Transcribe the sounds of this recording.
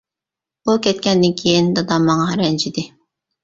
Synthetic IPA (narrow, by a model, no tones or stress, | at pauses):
bukʲɛt̪̚kʲɛnd̪ɪnkʲʰejind̪ɑd̪ɑmːɑŋɑɾɛnt͡ʃʰid̪ɪ